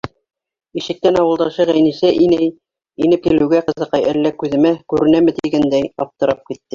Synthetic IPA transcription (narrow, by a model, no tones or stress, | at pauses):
iʃɘ̆k̚t̪ænɑwɤ̆lˠd̪ɑʃɤʁæjnisæʔinæj | inɘp̚kilɘ̆wɡæqɤ̆ðɤ̆qɑjælːækʉðɘ̆mækʉɾɘ̆næmɘt̪iɡænd̪æjɑp̚t̪ɤ̆ɾɑp̚kit̪ːɘ